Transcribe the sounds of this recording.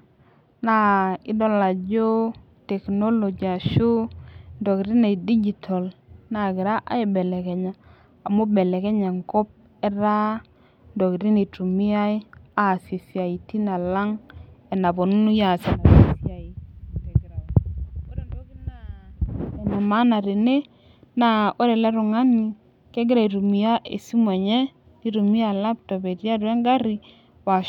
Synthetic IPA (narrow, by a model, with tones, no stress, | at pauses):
na˦˨i˦do˦la˨d͡ʒo˦ | te˨kno˦lo˨d͡ʒi˨a˨ʃu˦ndo˨ki˨ɾi˦ne˨di˦d͡ʒi˨tʰo˨lna˨ɡi˨ɾa˦ʔa̰˦ji˨be˨le˨ke˨ɲaː˨ | mo˦be˨le˨ke˦ɲa˨ŋko˦p̚ | e˦ɾa˦ | ndo˨ki˨ɾi˦ne˨tu˨mi˦a˦i˦a˦˨si˨si˨a˨i˨ti˦na˨la˦ŋɛ˨na˨bɔ˨nu˦nu˦ja˨se˨na˨si˨sja˨i˨kɛ˦ɡɾa˨o˦ɾɛ˨ndɔ˨ki˦na˨ | ɛ˨nɛ˨ma˦na˨ɾe˨ne˦ | na˨o˦ɾɛ˨lɛ˦ɾʊ˨ŋa˦ni˨ | kɛ˦ɡɪ˦ɾa˨i˨ɾu˨mi˨a˦ʔḛ˨si˦mɔ˨ɲɛ˦ | ni˦ɾu˨mi˦a˨la˦p̚tɔ˨be˨ɾja˦ɾwɛ˦ŋɡa˦ɾi˦ | wa˨